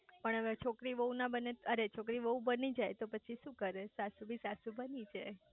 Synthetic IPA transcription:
pəɳəʋet͡ʃʰokɾiʋəɦũnabəneəɾet͡ʃʰokɾiʋəɦũbənid͡ʒajt̪opət͡ʃʰiʃũkəɾesasubʱisasubənid͡ʒaj

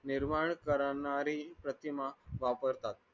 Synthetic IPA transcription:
nɪɾmaɳkəɾanaɾipɾət̪imaʋapəɾt̪at̪̚

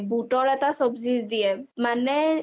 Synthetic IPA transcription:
buʈɔɹɛtasɔbzizd̪ijɛmanɛ

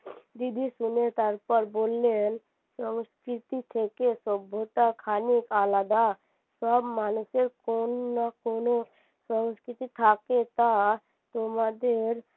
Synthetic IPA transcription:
d̪id̪ʱisʊnet̪əɾpəɾboːlːen | səŋskɾɪt̪it̪ʰekesɔbʱot̪akʰaːnikalaːd̪a | səbmaːnʊseɾkonːakoːno | sə̃ŋskɾɪt̪it̪ʰaːket̪a | t̪omad̪eɾ

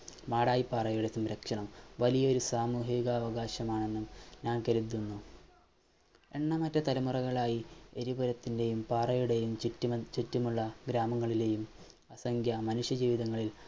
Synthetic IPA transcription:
maːɽaːjipːaːrɐjuɽesumɾe̞kʂɐɳɐmʋɐlijɐo̞ɾusaːmuːɦiɣɐːʋɐɣaːɕɐmaːɳe̞nːumɲaːnkɐɾud̪ːunːu | e̞ɳːɐmɐtːɐt̪ɐlɐmurɐɣɐɭaːjieɾibɐɾɐt̪ːinde̞jumpaːrɐjuɽe̞jumt͡ɕutːumuɭːɐɡɾaːmɐŋːɐɭile̞ːjum | ɐsɐŋɡjɐmɐnuʂjɐd͡ʑiːʋiðɐŋːɐɭil

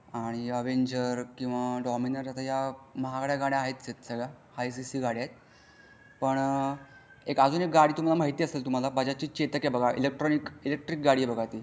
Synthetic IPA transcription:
aɽ̃iəʋeɲd͡ʑəɾkĩw̃ʋaɖɔminəɾat̪ajaməɦakɽjaɡaɽjaːɦet̪t͡ɕet̪səɡɭahajsisiːɡaɽjat̪̚ | pəɳ | ekəd͡zuːnek̚ɡaɽiːt̪um̤alaməɦit̪iːəselt̪um̤alabʱad͡ʑat͡ɕiːt͡ɕet̪əkjebəɡʱaʔḭlek̚ʈɾɔnikilek̚ʈɾik̚ɡaɽiːebəɡʱat̪iː

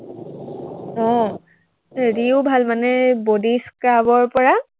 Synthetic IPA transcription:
ɔ̃ | ɹiubʱalmanɛbodiskɹabɔɹpɔɹa

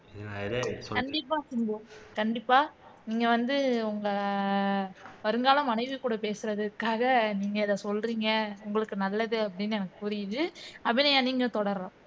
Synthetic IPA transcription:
kɐɳɖɪpːaːsɪŋɡokɐɳɖɪpːaːniːŋɡɐʋɐnd̪ɯʊŋɡɐ | ʋɐɾɯŋɡaːlɐmɐnɐɪʋɯkuːɽɐpeːsɯɾɐðɯkːaːɣɐniːŋɡɐɪðɐ̃sɔlɾiːŋɡɐʊŋɡɐɭɯkːɯnɐlːɐðɯɐpːɐɽɪnːɯɛnɐkːɯ̥pʊɾɪjɯðɯɐɪnɐjãːniːŋɡɐt̪ɔɽɐɾɾãː

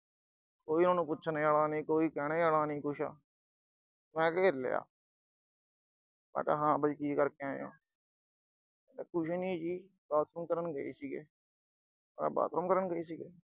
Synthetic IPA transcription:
koːiːnaːnũːpʊt͡ʃʰneːaːlaːnĩːkoːiːkɛːɽ̃eːaːlaːnĩːkʊʃa̰ː | mɛ̃ːkeɪɾlḛːa̰ː | ba̰ːʈa̰ːɦãːbəikiːkəɾkeãːjõ̰ː | kʊʃenĩːd͡ʒiː | baːt̪ɾəmkəɾənɡəḭːsiːɡeː | əa̰ːba̰ːt̪ɾəmkəɾənɡəiːsiːɡeː

